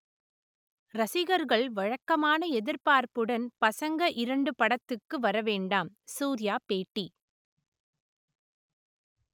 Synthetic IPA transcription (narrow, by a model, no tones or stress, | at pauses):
ɾɐsɪɣɐɾɣɐɭʋɐɻɐkːɐmaːnɐɛðɪɾpaːɾpɯɽɐnpɐsɐŋɡɐʔɪɾɐɳɖɯpɐɽɐt̪ːɯkːɯʋɐɾɐʋeːɳɖaːm | suːɾɪjaːpeːʈːi